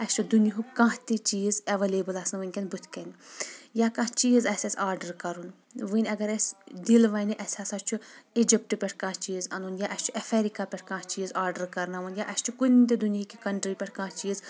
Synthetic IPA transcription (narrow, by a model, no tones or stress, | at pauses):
ɐst͡ʃʰud̪uniɦukãːɦt̪it͡ʃiːzɐʋɐleːbɨlɐsɨnʋɨnʲkʲɐnʲbut̪ʰkɐnʲjakãːt͡ʃiːzɐsʲasʲaːɾɖəɾkɐɾun | ʋɨnʲɐɡɐɾɐsʲd̪ilʋɐniʔɐsʲaːsɐt͡ʃʰuid͡ʒip̚ʈɨpʲɛʈʰkãːt͡ʃiːzɐnunjaːʔɐsʲt͡ʃʰuʔɐfʰeɾikaːpʲɛʈʰkãːt͡ʃiːzaːɾɖəɾkɐɾnaʋɐnjaʔɐst͡ʃʰukunʲnʲt̪id̪uniikʲikɐɳʈɾipʲɛʈʰkãːt͡ʃiːz